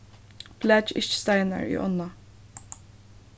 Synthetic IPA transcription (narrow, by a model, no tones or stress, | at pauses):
b̥læd͡ʒɪ̰t͡ʃst̪aɪnə̰ɹḭːʔɔnːa